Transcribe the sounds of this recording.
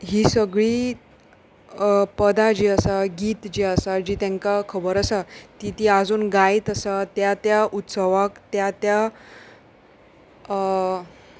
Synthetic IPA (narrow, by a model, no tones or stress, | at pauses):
ɦiːsəɡɭiː | pəd̪ad͡ʑiːəsaɡiːt̪d͡ʑiəsad͡ʑiːt̪ɛ̃ŋkakʰəbəɾəsat̪it̪iad͡zuːnɡait̪əsat̪jat̪jaʔut̪səʋakt̪jat̪ja